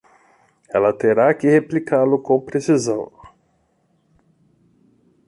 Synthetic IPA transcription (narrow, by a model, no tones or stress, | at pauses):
ɛlɐt̪eɾakɪheplikʰalʊkõw̃pɾesizɐ̃w̃